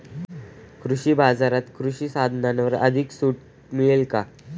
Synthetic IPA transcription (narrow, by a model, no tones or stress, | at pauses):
kɾuɕiːbad͡zaɾat̪kɾuɕiːsad̪ʱnanʋəɾə̰d̪ʱiksuʈ̚ | miɭelka